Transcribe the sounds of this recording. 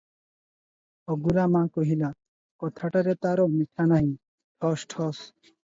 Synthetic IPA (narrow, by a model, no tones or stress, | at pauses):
ɔɡuɾamãkɔɦila | kɔt̪ʰaʈaɾɛt̪aɾɔmiʈʰanaɦĩ | ʈʰɔsʈʰɔs